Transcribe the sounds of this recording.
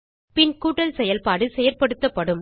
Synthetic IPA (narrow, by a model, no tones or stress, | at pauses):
pɪnkuːʈːɐlsɛjɐlpaːɽɯsɛjɐlpɐɽɯt̪ːɐpːɐɽɯm